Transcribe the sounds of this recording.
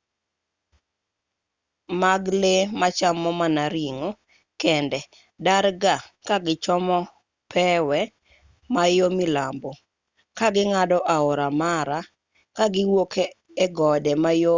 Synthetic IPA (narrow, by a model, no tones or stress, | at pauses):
maɡlemat͡ʃamːɔmanaɾiŋo | kɛndɛ | daɾɡakaɡɪt͡ʃɔmɔ | pʰɛwɛ | majomɪlambo | kaɡɪŋadɔʔaoɾamaɾa | kaɡɪwokeː | ɡɔdɛmajo